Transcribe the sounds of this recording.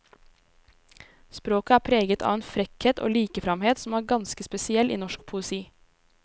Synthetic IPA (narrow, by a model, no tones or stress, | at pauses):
spɾoːkəæːpʰɾeːɡət̪ʰɑ̰ːʋeːnfɾɛkheːt̪ʰo̰ːliːkəfɾɑmheːt̪sm̩æːɾɡɑnskəspɛsɪɛlʔḭːnɔʃk̚pʰʊɛsiː